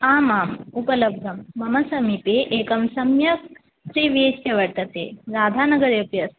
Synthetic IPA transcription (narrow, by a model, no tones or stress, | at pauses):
aːmaːmupɐlɐb̚d̪ʱɐmːɐmɐsɐmipeʔeːkɐmsɐmjɐk | ʃɾiːʋisjɐʋɐɽt̪ɐt̪ḛːɾaːd̪ʱaːnɐɡɐɾjɐpjɐs